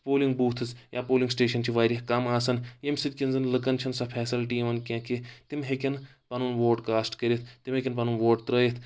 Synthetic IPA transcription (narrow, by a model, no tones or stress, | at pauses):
poːliŋɡ̚buːt̪ʰɨsjʔaːpoːliŋɡsʈeːʃɐnt͡ʃʰiʋaːɾʲɐhkɐmaːsɐnjemsit̪̚kʲinzɐnlɐkɐnt͡ʃʰɐnsɐpʰɛːsɐlʈimɐnkʲẽːket̪imɦekʲɐnpɐnunʋoːʈkaːsʈkɐɾʲit̪ʰt̪imɦekʲinpɐnunʋoːʈt̪ɾəːjit̪ʰ